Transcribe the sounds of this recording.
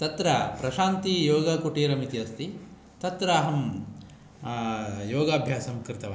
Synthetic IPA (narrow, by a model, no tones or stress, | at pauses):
t̪ɐt̪ɾɐpɾɐʃaːnt̪ijoːɡɐkoʈiːɾɐmit̪iɐst̪i | t̪ɐt̪ɾɐːɦɐm | joːɡaːbʱjaːsɐmkɾɪt̪ɐʋɐ